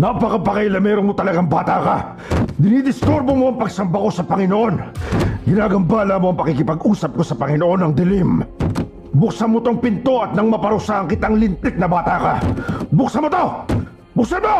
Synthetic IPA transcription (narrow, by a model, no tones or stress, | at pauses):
nɐpɐkɐpɐkajlɐmɛːɾonmot̪ɐlɐɡaŋbaːt̪aka | d̪ɪnid̪ɪst̪uɾbomo̞ʔɐŋpɐɡsɐmbɐko̞sɐpɐŋɪnoʔo̞nɡɪnaːɡɐmbaːlamoɐŋpɐkikɪpɐɡuːsɐp̚ko̞sɐpɐŋɪno̞ʔo̞nɐŋd̪ɪlim | bʊksamot̪oŋpɪnt̪o̞ʔɐt̪̚nɐŋmɐpɐɾʊsaɐŋkɪt̪aŋlɪnt̪ɛt̪̚nɐbaːt̪aka̰bʊksɐmot̪o | bʊksanmo